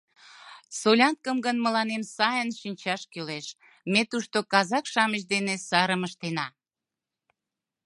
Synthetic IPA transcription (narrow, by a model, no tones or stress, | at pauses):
solʲɑnt̪̚kəmɡənməlɑnemsɑjənʃinʲt͡ɕɑʃkyleʃ | met̪uʃt̪okɑzɑkʃɑməʃ̬d̪enesɑɾəməʃt̪enɑ